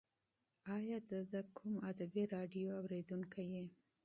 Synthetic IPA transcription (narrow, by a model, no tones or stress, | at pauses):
ɑjɑd̪əd̪əkʰumad̪abiɾɑɖijoawɾed̪uŋkʰaje